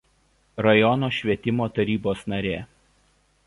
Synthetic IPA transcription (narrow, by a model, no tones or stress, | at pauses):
ɾɐjɔnoːʃʲʋʲiɛt̪ʲɪmoːt̪ɐɾʲiːboːsnɐɾʲeː